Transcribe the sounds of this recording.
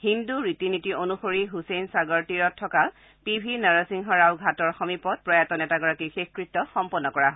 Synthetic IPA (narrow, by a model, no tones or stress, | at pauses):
hinduɹitinitionuxoɹiɦusejnsaɡɔɹtiɹɔtʰːɔka | pibʱinaɹasiŋɦɔɹawɡʱatɔɹxɔmipɔt̚pɹɔjatɔnɛtaɡɔɹakixexkɹitːɔxɔmpɔnːɔkɔɹaɦ